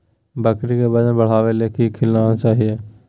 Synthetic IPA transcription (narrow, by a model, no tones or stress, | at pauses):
bəkɾikebɐd͡ʒbɐɽ̤aːʋelekikʰɪlːanat͡ʃaːɦie